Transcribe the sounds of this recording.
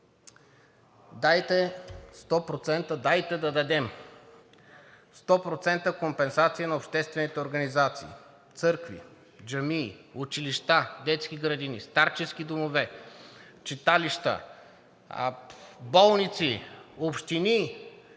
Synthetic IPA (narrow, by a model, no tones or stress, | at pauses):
d̪ajt̪ɛst̪ɔpɾot̪sɛnt̪əd̪ajt̪ɛd̪ɐd̪ɐd̪ɛm | st̪ɔpɾot̪sɛnt̪əkompɛnsat̪sijɐnɐopʃt̪ɛst̪vɛnit̪ɛoɾɡɐnizat̪sḭː | t̪sɤɾkvḭ | d͡ʒɐmiːut͡ʃiliʃt̪ad̪ɛt̪sk̟iɡɾɐd̪inist̪aɾt͡ʃɛskid̪omovɛ | t͡ʃit̪aliʃt̪ə̰ | bɔlˠnit̪siopʃt̪ini